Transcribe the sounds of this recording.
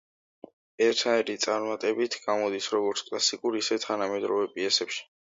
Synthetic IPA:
ɛɾt̪ʰnaiɾit̪sʼaɾmat̪ʼɛbit̪ʰɡamɔd̪isɾɔɡɔɾt̪sʰkʼlasikʼuɾisɛt̪ʰanamɛd̪ɾɔvɛpʼiɛsɛpʃi̥

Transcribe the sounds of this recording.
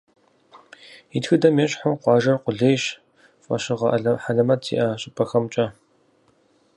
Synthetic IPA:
itxɨdɐmeːɕʼħʊwqʷɑːʒɐrqʷʊɮeːɕ | fʼɐ̰ɕɪʁɐʔɐɮɐħaɮɐmɐtʰḭːʔɐɕʼɪpʰɐxɐmt͡ʃʼɐ

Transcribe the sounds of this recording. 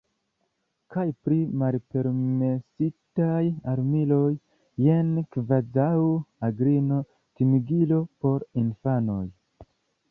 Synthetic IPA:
kajpɾimalpe̞ɾmesitajaɾmilo̞jː | enkvazawuaɡɾino̞ | timiɡilo̞po̞ɾinfano̞̰j

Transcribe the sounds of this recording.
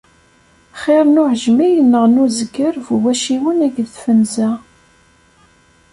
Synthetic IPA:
χɪɾnuʕəʒmijənːəʁnuzəɡəɾvwæʃiwənæɡðfənzæ

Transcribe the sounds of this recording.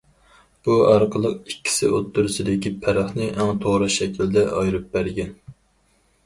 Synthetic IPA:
b̥uɑɾqʰəlˠəq̚ikʲːi̥sɪot̪ʰːuɾɨsɪd̪ɪkʲipʰæɾɑχnɨʔɛmt̪ʰoʁɾɨʃɛkʲʰild̪ɛʔɑjɾɨp̚bæɾɡʲɛn

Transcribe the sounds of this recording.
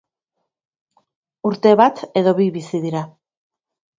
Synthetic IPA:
uɾt̪e̞βat̪e̞ðo̞βiβisiðiɾa

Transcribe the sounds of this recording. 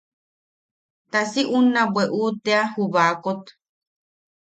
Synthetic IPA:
t̪asiʔunãbweʔut̪eahuβakot̪

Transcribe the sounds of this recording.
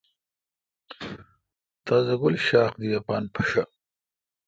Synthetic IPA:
t̪aːzɐɡʊlʃaːxd̪ijapɑːnpʰɐ̥ʃa

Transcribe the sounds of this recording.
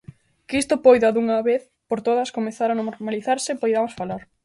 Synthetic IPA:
kist̪opojðɐðuŋɐβeθ | poɾt̪oðɐskomeθaɾanoɾɾmaliθaɾsɪpojðamosfalaɾ

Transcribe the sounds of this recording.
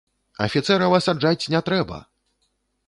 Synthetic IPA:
ɐ̰fʲit̪sɛɾɐwɐsad͡ʐat͡sʲnʲɛt̪ɾɛbɐ̰

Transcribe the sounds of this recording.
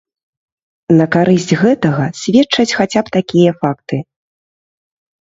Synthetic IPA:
nɐkaɾɨsʲt͡sʲɣɛt̪ɐɣɐsʲvʲɛt͡ʂɐt͡sʲxat͡sʲapt̪akʲijɐfakt̪ɨ

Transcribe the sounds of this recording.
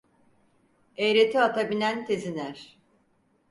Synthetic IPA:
ejɾe̞t̪ʰiat̪ʰabinænt̪ʰe̞zinæɾ̥

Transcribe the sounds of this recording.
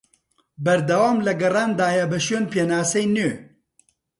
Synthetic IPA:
bɐɾd̪ɐwaːmlɐɡɐraːnd̪aːjɐbɐʃweːnpʰeːnaːsɐjnøː

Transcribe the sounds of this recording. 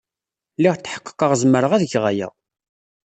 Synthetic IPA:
liʁt͡s̪ːħə̥qːə̥qːəʁzməɾəʁæðəçʁajæ̰

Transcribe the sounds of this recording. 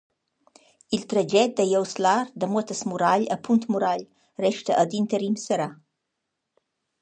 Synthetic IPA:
ilt̪ɾəd͡ʒɛt̪̚d̪əjəwslaɾd̪əmuət̪əsmuɾaʎəpʰunt̪muɾaʎ | rɛʃt̪əʔəd̪int̪əɾimsəɾa

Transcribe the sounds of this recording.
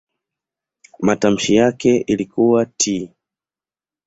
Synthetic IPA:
matam̩ʃijakɛʔilikuwatʰi

